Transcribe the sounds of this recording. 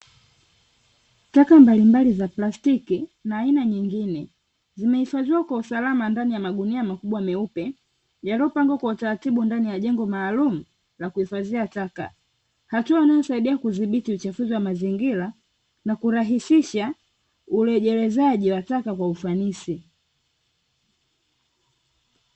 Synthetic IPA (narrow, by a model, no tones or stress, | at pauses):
takambalimbalizaplastikinaːinaɲiŋɡinɛ | zimɛhifaziwakwausalamandanijamaɡuniamakuɓwamɛupɛ | jaliɔpaŋɡwakwautaɾatiɓundanijaʄɛŋɡɔmaːlumu | lakuifaziataka̰ | hatuanajɔsaiɗiakuziɓitiut͡ʃafuziwamaziŋɡila | nakuɾaɦisiʃa | ulɛʄɛlɛzaʄiwatakakwaufanisi